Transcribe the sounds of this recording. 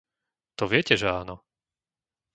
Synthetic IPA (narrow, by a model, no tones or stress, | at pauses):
t̪ɔʋɪɛcɛʒɛaːnɔ